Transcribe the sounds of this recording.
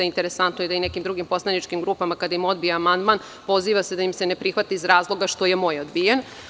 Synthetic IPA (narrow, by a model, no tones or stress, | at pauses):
aint̪e̞ɾe̞sant̪noid̪aine̞kimd̪ɾuɡimpo̞slˠanit͡ʃkimɡɾupamakad̪aimo̞d̪̚bijaamand̪man | po̞ziːʋase̞d̪ajimse̞ne̞pɾixʋat̪iizɾaːzlˠo̞ɡaʃt̪o̞jemo̞jod̪bijen